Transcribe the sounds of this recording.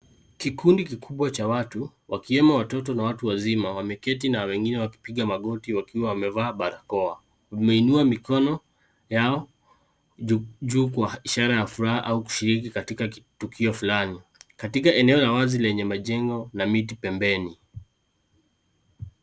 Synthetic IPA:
kikundikikʰuɓwat͡ʃawatuwʔakiɛmawatɔtɔnawatuwazimawamɛkɛtinawɛŋɡinɛwaki̥piɠamaɠɔtiwakiwawamɛvaːɓaɾakɔa | mɛinuamikɔnɔ | jaɔ | ʄuːkwaiʃaɾajafuɾahaʔauku̥ʃiɾik̬ikatikatukʰiɔfulanikatikaɛnɛɔlawazilɛɲɛmaʄɛŋɡɔnamitipɛmbɛni

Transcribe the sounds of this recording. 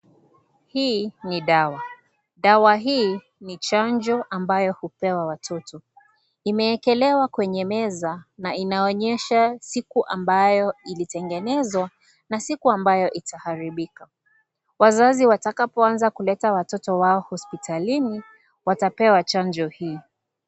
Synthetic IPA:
hiːniɗawa | ɗawaɦiː | nit͡ʃaɲd͡ʒɔʔambajɔhupɛwawatʰɔtɔ | imɛːkɛlɛwakwɛɲɛmɛzanainaɔɲɛʃasikuʔambajɔilitɛŋɡɛnɛzwa | nasikuambajɔʔitahaɾiɓika | wazaziwatakapɔanzakulɛtawatɔtɔwaɔhɔspitalini | watapɛwat͡ʃand͡ʒɔhiː

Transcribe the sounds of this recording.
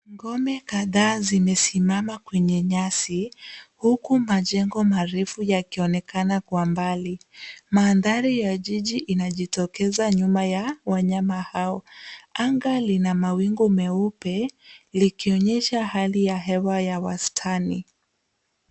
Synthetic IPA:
ŋɡɔmɛkaðaːzimɛsimamakwɛɲɛɲasihukumaʄɛŋɡɔmaɾɛfujakiɔnɛkanakwambalimaːnðaɾijaʄiʄiʔinaʄitɔkɛzaɲumajawaɲamahaɔaŋɡalinamawiŋɡɔmɛupɛlikiɔɲɛʃahalijaɦɛwajawastʰani

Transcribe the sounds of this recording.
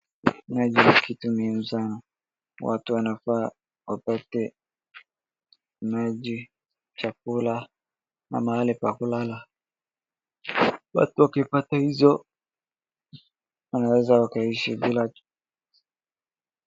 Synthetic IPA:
mad͡ʒinikʰitumimusana | wa̰tuwanafaː | wapatɛ | maʄi | t͡ʃak̚ula | na̰mahalipakulala | wa̰tuwakipatahizɔ | wanawɛzawakaiʃibila

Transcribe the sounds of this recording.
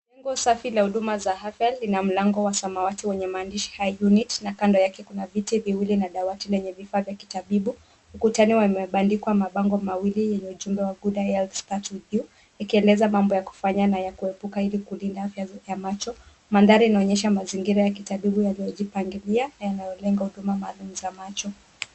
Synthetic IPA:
lɛŋɡɔsafilahuɗumazahafjalːinam̩laŋɡɔwasamawatiwɛɲɛmaːndiʃi̥hajjunitnakandɔjakɛkunavitɛviwilinaɗawatilɛɲɛvifavjaki̥taɓiɓu | mukutaniwamɛɓandikwamaɓaŋɡɔmawilijɛɲɛuʄumbɛwaɡuɗaɛlfstatuðu | jakiɛlɛzamambɔjaku̥faɲanajakuɛpukailikulindaafjajamat͡ʃɔ | mandaɾiinaɔɲɛʃamaziŋɡiɾajakitaɓiɓujalijɔʄipaŋɡilianajanajɔlɛŋɡahuɗumamaːlumuzamat͡ʃɔ

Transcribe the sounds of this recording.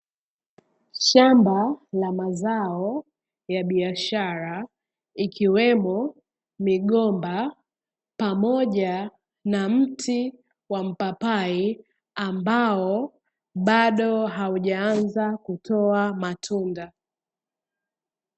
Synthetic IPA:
ʃambalamazaɔ | jaɓiaʃaɾa | ikiwɛmɔ | miɠɔmba | pamɔʄa | nam̩tʰi | wam̩papai | ambaɔ | ɓaɗɔɦauʄaanzakutʰɔamatʰunda

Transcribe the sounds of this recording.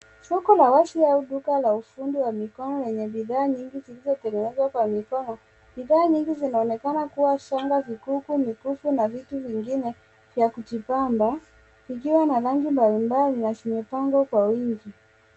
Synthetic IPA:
sɔkɔlawasiauɗukalaufundiwamikɔnɔlɛɲɛɓiðaːɲiŋɡizilizɔtɛŋɡɛnɛzwakwamikɔnɔ | ɓiðaːɲiŋɡizinaɔnɛkanakuwaʃaŋɡavikukumikufunavituviŋɡinɛ | vjakutipamba | ikiwanaɾaŋɡimbalimbalinaʃimɛpaŋɡɔkwawiŋɡi

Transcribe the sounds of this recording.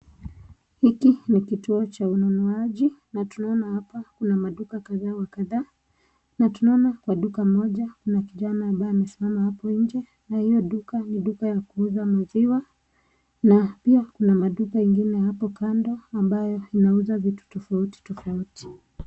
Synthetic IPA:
hikinikituɔt͡ʃaunɔnɔaʄinatunaɔnahapakunamaɗukakaðaːwakaðaː | natunaɔnakwaɗukamɔʄakunakiʄanaːmbajɔimɛsimamahapɔɲ̩d͡ʒɛ | nahijɔɗukaniɗukajakuuzamaziwa | napiakunamaɗukaiŋɡinɛhapɔkandɔambajɔinauzavitu̥tɔfauti̥tɔfauti̥

